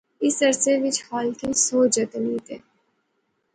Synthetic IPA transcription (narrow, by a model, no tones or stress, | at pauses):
ɪsɐɾseʋɪt͡ʃhaːlkesoːd͡ʒɐt̪əniːt̪ḛː